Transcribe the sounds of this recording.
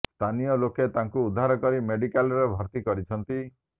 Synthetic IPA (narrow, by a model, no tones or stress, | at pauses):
st̪ʰanijɔloket̪aŋkuud̪ʱːaɾɔkɔɾimeɖikalɾebʱɔɾt̪ikɔɾit͡ʃʰɔnt̪i